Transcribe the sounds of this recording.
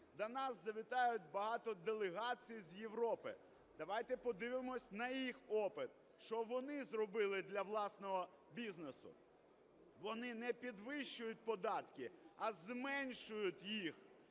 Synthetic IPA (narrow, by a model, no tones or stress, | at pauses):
d̪ɐnɑsːɐʋʲɪt̪ɑjʊt̪̚ʲbɐɦɑt̪ɔd̪elˠeɦɑt͡sʲijzjeʋɾɔpɪ̰ | d̪̥ɐʋɑjt̪ɛpɔd̪ɪʋɪmɔsʲnɐjixɔpɪt̪̚ | ʃt͡ʃɔʋɔnɪzrɔbɪlˠɪd̪lʲɐʋlˠɑsnɔɦɔ | bʲiznesʊ̰ | ʋɔnɪnɛpʲid̪ʋɪʃt͡ʃːʊjʊt̚ʲpɔd̪ɑt̪kɪɐzmɛnʲʃʊjʊt̪ʲjix